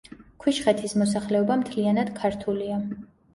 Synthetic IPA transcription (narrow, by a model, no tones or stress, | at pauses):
kʰwiʃχɛt̪ʰismɔsaχlɛɔbamt̪ʰlianad̪̥kʰaɾt̪ʰulia